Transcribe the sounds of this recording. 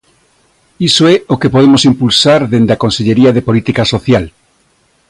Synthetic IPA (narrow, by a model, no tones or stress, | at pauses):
isoɛokepoðemosimpulsaɾðend̪akonseʎeɾiaðepolit̪ikasoθjal